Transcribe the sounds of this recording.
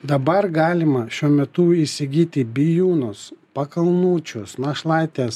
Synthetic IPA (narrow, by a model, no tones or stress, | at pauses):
d̪ɐbɐɾɡɑːlʲɪmɐʃʲuɔmʲɛt̪uisʲɪɡʲiːt̪ʲɪbʲɪjuːnʊspɐkɐlˠnuːt͡ʃʲʊsnɐʃlˠɑɪt̪ʲeːs